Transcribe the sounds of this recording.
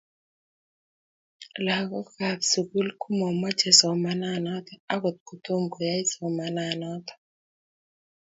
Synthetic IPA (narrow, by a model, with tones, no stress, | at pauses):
la˨ɡɔ˦ka˨tsu˨ɡu˦lku˦mɔ˨ma˦t͡ʃɛ˨sɔ˨ma˦na˦˨nɔ˦t̪ɔ˦a˦ɡo˨t̪̚ko˨t̪o˦mɡo˨ja˦ɪ˦sɔ˨ma˨na˨nɔ˦t̪ɔ̥˨